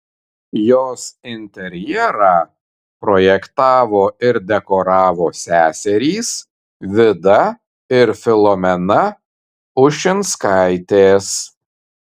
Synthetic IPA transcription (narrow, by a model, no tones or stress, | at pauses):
joːsɪnʲt̪ʲɛɾʲjɛɾɑː | pɾɔːjɛkt̪ɑːʋoːɪɾd̪ʲɛkɔɾɑːʋoːsʲæːsʲɛɾʲiːs | ʋʲɪd̪ɐ | ɪɾfʲɪlˠɔmʲɛnɐ | ʊʃʲɪnt̪skɑˑɪt̪ʲeːs